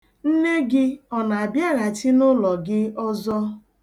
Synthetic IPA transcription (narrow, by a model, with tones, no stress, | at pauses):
n̩˦ne˦ɡɪ˦ɔ˨na˨a˨bja˦ɣa˨tɪ˦nʊ˦lɔ˨ɡɪ˦ɔ˦zɔ˦